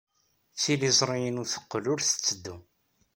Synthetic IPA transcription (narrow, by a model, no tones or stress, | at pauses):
t͡sːilizˤɾˤijənʊθə̥qːlʊɾθə̥t͡sːəd̪ːu